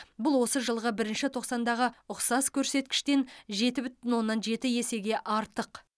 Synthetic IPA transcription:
bʊlˠwo̞səʒəlˠʁəbɪɾɪnʃɪt̪ʰo̞qsɑnd̪ɑʁəʊqsɑskʲʰɵɾse̞t̪̚kʲɪ̥ʃt̪e̞nʒe̞t̪ɪbʏt̪ɪnwo̞nːɑnʒe̞t̪ɪje̞se̞ɡʲe̞ʔɑɾt̪əq

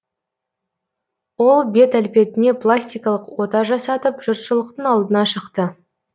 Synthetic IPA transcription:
wo̞lˠbe̞t̪ælpe̞t̪ɪne̞plˠasʲt̪ijkɑlˠəqwo̞t̪ɑʒɑsɑt̪əpʒ̥ʊɾt̪ʃəlˠəqt̪əɴɑlˠd̪ənɑʃəqt̪ə

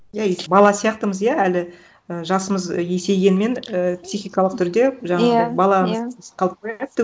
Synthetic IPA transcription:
jaebɑlˠɑsijɑqt̪əməzjaælɪ | əʒɑsəməzje̞se̞jɡʲe̞nɪme̞nəpsijxijkɑlˠəq̚t̪ʰʏɾd̪e̞ʒɑɴɑʁəbɑlˠɑmqʰɑlˠəp̚kʰoɾt̪ːɪ

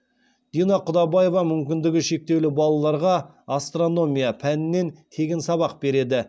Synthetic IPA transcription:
d̪̥inɑqʰʊd̪ɑbɑje̞vɑmʏmkʲɪnd̪ɪɡʲɪʃe̞k̚t̪e̞wlɪbɑlˠɑlˠɑɾʁɑː | st̪ro̞no̞mʲijapʰænɪnːe̞nt̪ʰe̞ɡʲɪnsɑβɑq̚be̞ɾe̞d̪ɪ

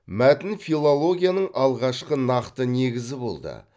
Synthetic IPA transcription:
mæt̪ɪnfilˠolˠo̞ɡʲijanəɴɑlˠʁɑʃqənɑqt̪əne̞ɡʲɪzɪbo̞̰lˠd̪ə̰

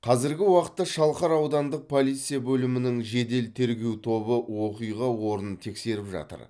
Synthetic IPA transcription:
qʰɑzɪɾɡʲɪwɑqə̥t̪ːɑʃɑlˠqɑɾɑwd̪ɑnd̪əq̚pʰo̞lˠijt̪sɨjabɵlɪmɪnɪŋʒe̞d̪e̞lt̪ʰe̞ɾɡʲe̞wt̪ʰo̞bəwo̞qijʁɑwo̞ɾənənt̪ʰe̞kse̞ɾɪpʒɑ̰t̪ə̰ɾ

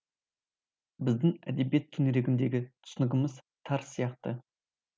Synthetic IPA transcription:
bɪzd̪ɪŋæ̰d̪e̞bije̞t̪̚kʲʰɵneɾe̞ɡʲɪnd̪e̞ɡʲɪt̪ʰʏ̥sʏnɪɡʲɪməz | t̪ʰɑɾsijɑqt̪ə

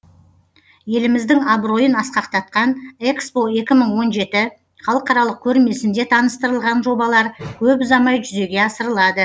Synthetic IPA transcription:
je̞lɪmɪzd̪ɪŋabɾo̞jənɑsqɑqt̪ɑt̪̚qɑnekspo̞e̞kʲɪməɴwo̞nʒe̞t̪ɪ | χɑlˠəqɑɾɑlˠəq̚kʲʰɵɾme̞sɪnd̪e̞t̪ʰɑnəst̪əɾəlˠʁɑnʒo̞bɑlˠɑɾkʲʰɵp̬ʊzɑmɑjʒʏze̞ɡʲe̞ɑsəɾəlˠɑd̪ə

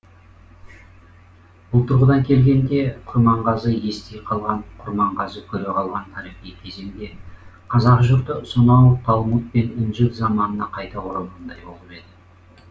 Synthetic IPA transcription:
b̥ʊlˠt̪ʰʊɾʁəd̪ɑŋkʲʰe̞lɡʲe̞nd̪e̞qʰʊɾmɑɴʁɑzəje̞st̪ejqʰɑlˠʁɑɴqʰʊɾmɑɴʁɑzəkʲʰɵɾe̞qʰɑlˠʁɑnt̪ʰɑɾeqijkʲʰe̞ze̞md̪e̞qʰɑzɑqʒʊɾt̪əsonɑwt̪ʰɑlˠmut̪̚pe̞nɪnʒɪt̪zɑmɑnənɑqʰɑjt̪ɑwoɾəlˠʁɑnd̪ɑjbo̞lˠəpe̞d̪ɪ

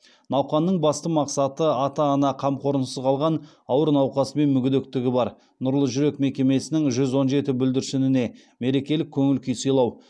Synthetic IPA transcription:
nɑwqɑnːəɴbɑst̪əmɑqsɑt̪əɑt̪ɑːnɑqʰɑmqʰo̞ɾənsəzqʰɑlˠʁɑn | ɑwəɾnɑwqɑsəme̞nmʏɡʲɪd̪ek̚t̪ɪɡʲɪbɑɾ | nʊɾlˠəʒʏɾe̞kme̞kʲe̞me̞sɪnɪŋʒʏzwo̞nʒe̞t̪ɪbʏld̪ɪɾsɪnɪne̞ | me̞ɾe̞kʲe̞lɪkʲʰːɵŋɪlkʲʰijsəjlˠɑw

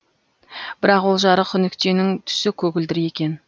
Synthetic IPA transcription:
b̥ɪɾɑqwo̞lˠʒɑɾəkʰʲʏnɪkt̪e̞nɪŋt̪ʰʏ̥sɪkʲʰɵɡʲɪld̪ɪɾje̞kʲe̞n

